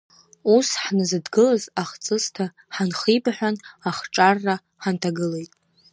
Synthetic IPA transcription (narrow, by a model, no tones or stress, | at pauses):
usħnɨzɨdɡɨlazaχt͡sʼɨztʰa | ħanχibħʷᶣanaχʈ͡ʂʼarːa | ħantʰaɡɨle̞jtʼ